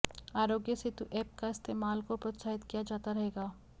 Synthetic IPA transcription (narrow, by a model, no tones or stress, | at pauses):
aːɾoːɡjəset̪uʔɛːp̚kaɪst̪eːmaːlkopɾot̪saːɦɪt̪kijad͡ʒaːt̪aɾɐɦeːɡaː